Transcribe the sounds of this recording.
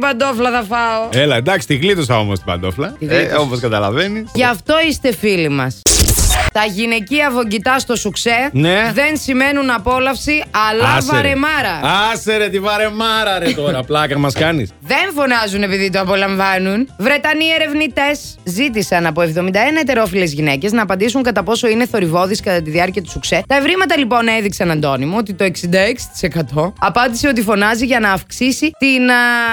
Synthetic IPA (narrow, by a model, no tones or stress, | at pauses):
ibɐnd̪o̞flɐθɐfɐoelɐed̪ɐksi̥t̪iɣlit̪osɐo̞most̪ibɐ̰nd̪oflɐðeomoskɐt̪ɐlɐ̰veniʝɐft̪o̞ist̪e̞filimɐs | t̪ɐʝine̞ciɐvo̞ɲɟit̪ɐst̪o̞sukse̞neðe̞nsime̞nunɐpo̞lɐfsiɐlɐsvɾe̞mɐɾɐɐseɾet̪ivɐɾe̞mɐɾɐɾet̪oɾɐplɐkɐmɐskɐnisðe̞ɱfo̞nɐzune̞piðit̪oɐpo̞lɐɱvɐnunvɾe̞t̪ɐnie̞ɾe̞vnit̪e̞s | zit̪̬isɐnɐpo̞e̞vðo̞mind̪ɐenɐet̪e̞ɾo̞file̞zʝinece̞znɐːpɐnd̪isuŋkɐt̪ɐpo̞so̞ine̞θo̞ɾivo̞ðiskɐt̪ɐt̪iðiɐɾciɐt̪u̥sukset̪ɐevɾimɐt̪ɐlipo̞ne̞ðiksɐnɐnd̪o̞nimoot̪it̪o̞eksind̪ɐeksi̥t̪i̥se̞kɐt̪o̞ɐpɐnd̪ise̞o̞t̪ifo̞nɐziʝɐnɐːfksisit̪in